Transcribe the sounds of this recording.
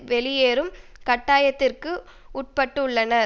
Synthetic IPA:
ʋɛlɪjeːɾɯmkɐʈːaːjɐt̪ːɪrkɯ | ʊʈ̚pɐʈːɯʊɭːɐnɐ

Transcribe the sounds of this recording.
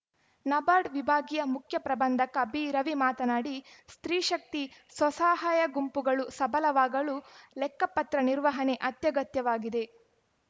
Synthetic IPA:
nɐbaːɖʋibʱaːɡijɐmukʰjɐpɾɐbɐnd̪ʱɐkɐbiːɾɐʋimaːt̪ɐnaːɽist̪ɾiːʃɐk̚t̪iswɐsaːɦaːjɐɡumpuɡɐɭusɐbɐlɐʋaːɡɐɭulɛkːɐpːɐt̪ɾɐniɾʋɐɦɐneʔɐt̪jɐɡɐt̪jɐʋaːɡid̪e̞

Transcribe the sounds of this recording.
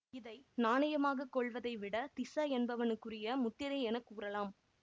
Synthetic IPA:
ɪðɐɪnaːnɐjɐmaːɣɐkːɔɭʋɐðɐɪʋɪɽɐt̪ɪsɐɛnbɐʋɐnɯkːɯrɪjɐmʊt̪ːɪɾɐɪɛnɐkːuːrɐlaːm

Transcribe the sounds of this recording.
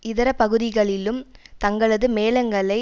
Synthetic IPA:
ɪðɐɾɐpɐɣɯðɪɣɐɭɪlɯmt̪ɐŋɡɐɭɐðɯmeːlɐŋɡɐɭɐɪ

